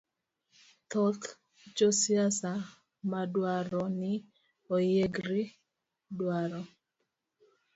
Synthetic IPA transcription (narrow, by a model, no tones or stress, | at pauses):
t̪ɔt̪ | t͡ʃosjasa | madwaɾɔnɪ | ojeɡɾi | dwaɾɔ